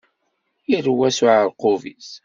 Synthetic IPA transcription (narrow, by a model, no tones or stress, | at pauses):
iɾwːæsʊʕəɾqʊvḭs